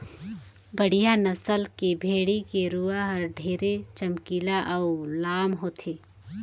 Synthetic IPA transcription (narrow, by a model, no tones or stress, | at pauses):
bəɽ̤ijanəsəlkebʱeːɽikeɾuaɦəɾɖʱeːɾet͡ʃəmkiːlaʔɐulaːmɦoːt̪ʰeː